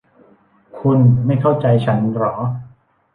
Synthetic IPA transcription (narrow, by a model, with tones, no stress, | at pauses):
kʰu˧nma˥˩jkʰa˥˩wt͡ɕa˧jt͡ɕʰa˦˥nɾɔː˩˦